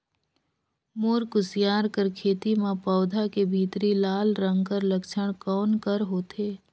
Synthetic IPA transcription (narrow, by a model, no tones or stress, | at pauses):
moːɾkʊsjaːɾkəɾkʰeːt̪imãpɔːd̪ʱakebʱiːt̪ɾilaːlɾə̃ŋɡkəɾləkʃəɽ̃kɔːnkəɾɦoːt̪eː